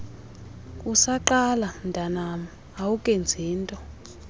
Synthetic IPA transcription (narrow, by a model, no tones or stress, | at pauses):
kʼusaǃalandʱanama | awukʼend͡zʱiːntʼɔ